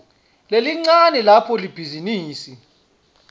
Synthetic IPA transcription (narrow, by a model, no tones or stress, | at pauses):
leliŋ͡ǀanɛlapʰɔlib̥ʱiziniːsi